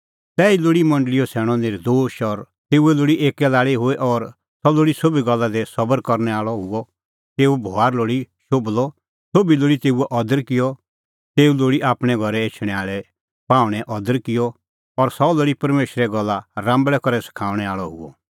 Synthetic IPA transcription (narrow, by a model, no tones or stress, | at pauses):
t̪ɛːiloːɽimɐ̃ɳɖlɪjɔsʰɛːɽ̃ɔ̃nɪɾd̪oːʃɔɾ | t̪eːuɛloːɽiʔeːkɛlaːɭiɦʊeʔɔɾ | sɔloːɽisobiɡɐlːad̪esɐbəɾkɔɾnɛaːɭɔɦʊɔ | t̪eːubʱoaːɾloːɽiʃoːblɔ | sobiloːɽit̪eːuɛʔɔd̪əɾkɪjɔ | t̪eːuloːɽiʔaːpɽ̃ɛ̃ɡʱɐɾɛeːt͡ʃʰɽ̃ɛaːɭɛ | pãːʊɽ̃ɛʔɔd̪əɾkɪjɔ | ɔɾsɔloːɽipɐɾmeːʃɾɛɡɐlːaɾãːmbɭɛkɔɾɛsɪ̥kʰaːʊɽ̃ɛaːɭɔɦʊ̰ɔ